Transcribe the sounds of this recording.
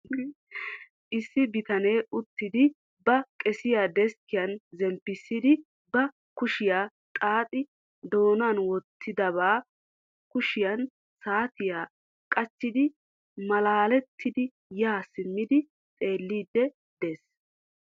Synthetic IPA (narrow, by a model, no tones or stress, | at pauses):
ʔɪsːɪbɪt̪ɐneːʊt̪ːɪd̪ɪ | bɐkʼɛsɪjaːd̪ɛskɪjɐnzɛmpːɪsːɪd̪ɪ | bɐ | kʊʃɪjaː | t̪ʼaːt̪ʼɪ | d̪o̞ːnaːnwɔt̪ʰːɪd̪ɐβaː | kʊʃɪjɐn | saːt̪ɪjaː | kʼɐt͡ʃːɪd̪ɪ | mɐlaːlɛt̪ʰːɪd̪ɪ | jaːsɪmːɪd̪ɪ | t̪ʼe̞ːlːiːd̪ːɛ | d̪̥eːs